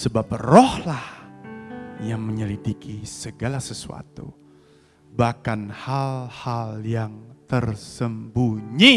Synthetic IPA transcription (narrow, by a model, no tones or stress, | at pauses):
səbap̚rɔhlah | jaŋməɲəlidikʰisəɡalasəsua̰t̪ṵ | bahkanhalhaljaŋt̪ərsəmbuɲi